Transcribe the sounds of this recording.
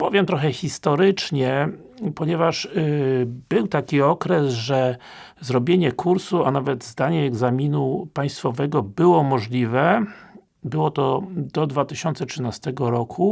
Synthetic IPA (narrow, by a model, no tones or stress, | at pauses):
pɔvʲjɛmt̪ɾɔxɛxʲist̪ɔɾɘt͡ʂɲɛ | pɔɲɛvaʂ | bɘwt̪akʲiɔkɾɛsʐɛzɾɔbʲjeɲɛkuɾsuanavɛd̪zd̪aɲɛːɡzamʲinupaj̃st̪fɔvɛɡɔbɘwɔmɔʐlʲivɛ | bɘwɔt̪ɔd̪ɔd̪vat̪ɘɕɔnt̪sɛtʂɘnast̪ɛɡɔɾɔkʰu